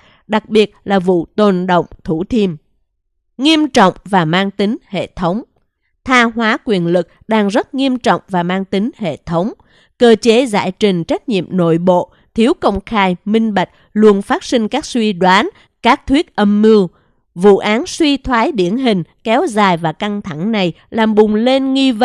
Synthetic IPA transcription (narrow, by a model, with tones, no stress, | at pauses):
ɗa˨˩k̚ɓi˨˩ət̚laː˨˩vṵ˧˨t̪o˨˩nɗo̰˧˨wŋ͡mt̪ʰu˧˩t̪ʰi˧m | ŋi˧əmt͡ɕɔ̰˧˨wŋ͡mvaː˨˩maː˧ŋt̪ï˨˦ŋ̟hḛ˧˨t̪ʰə˨˦wŋ͡m | t̪ʰaː˧ɦwaː˨˦kwi˨˩ənlɨ˨˩k̚ɗaː˧ŋzə˦˥t̚ŋi˧əmt͡ɕɔ̰˧˨wŋ͡mvaː˨˩maː˧ŋt̪ï˨˦ŋ̟hḛ˧˨t̪ʰə˨˦wŋ͡m | kəː˧t͡ɕe˨˦za̰ː˧˩jt͡ɕï˨˩ŋ̟t͡ɕa˦˥k̟̚ɲḭ˧˨əmno̰˧˨jɓo̰˧˨ | t̪ʰi˨˦əwkə˧wŋ͡mxaː˧jmï˧ŋ̟ɓa˨˩jk̟̚ | lu˧ənfaː˦˥t̚sï˧ŋ̟kaː˦˥k̚swi˧ɗwaː˨˦n | kaː˦˥k̚t̪ʰwi˦˥ət̚ʔə˧mːɨ˧ | vṵ˧˨ʔaː˨˦nswi˧t̪ʰwaː˨˦jɗi˧˩ənɦï˨˩ŋ̟kɛ˨˦wzaː˨˩jvaː˨˩ka˧ŋt̪ʰa˧˩ŋna˨˩j | laː˨˩mɓʊ˨˩ŋ͡mle˧nŋi˧və˧˨